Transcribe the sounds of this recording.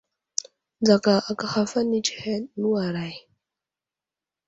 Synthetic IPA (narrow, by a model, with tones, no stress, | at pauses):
d͡za˨ka˨ʔa˨ka˨xa˦fa˦ni˦t͡ʃi˨he˦nu˦a˨ɾa˨j